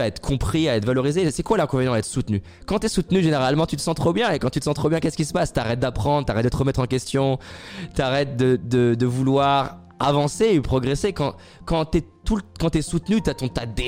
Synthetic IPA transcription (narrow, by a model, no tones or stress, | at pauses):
aɛt̪χə̥kʰɔ̃pχiaɛt̪valɔʁizesɛkwalɛ̃kɔ̃vɛnj̃aɛt̪χə̥sut̪ny | kɑ̃t̪yɛsut̪nyʒeneʁalmɑ̃t̪yt̪ə̥sɑ̃t̪χobjɛ̃ekɑ̃t̪yt̪əsɑ̃t̪χobjɛ̃kʲɛskʲisə̥past̪yaʁɛt̪̚d̪apχɑ̃d̪ʁt̪yaʁɛt̪̚d̪ət̪əʁəmɛt̪χɑ̃kʲɛst̪jɔ̃t̪yaʁɛt̪̚d̪əd̪əd̪əvulwaʁ | avɑ̃sepχɔɡʁesekɑ̃ | kɑ̃t̪ɛt̪ulkɑ̃t̪yɛsut̪nyt̪yat̪ɔ̃t̪ad̪e